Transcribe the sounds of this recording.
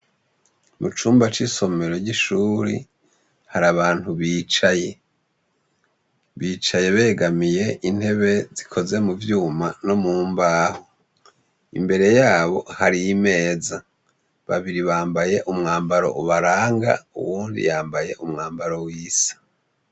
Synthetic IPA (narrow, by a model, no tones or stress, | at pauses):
mut͡ʃuːmbat͡ʃiso̞me̞ɾo̞ɟiʃuːɾḭ | haɾaβaːn̥huβiːt͡ʃaje̞ | βiːt͡ʃaje̞βe̞ːɡamije̞ʔin̥he̞βe̞zikʰo̞ze̞muvjuːmano̞muːmbaho | ḭmbe̞ɾe̞jaːβo̞haɾijime̞ːza | βa̰βiɾiβaːmbaje̞ʔumŋaːmbaɾo̞̰ʔuβaɾaːŋɡa̰ṵwuːndḭjaːmbaje̞ʔumŋaːmbaɾowiːsḁ